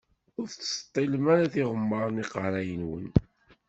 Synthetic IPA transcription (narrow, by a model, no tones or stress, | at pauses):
ʊɾθt͡sːst̪ˤːilmæɾaθiʁəmːəɾˤniqəɾæjənwə̰n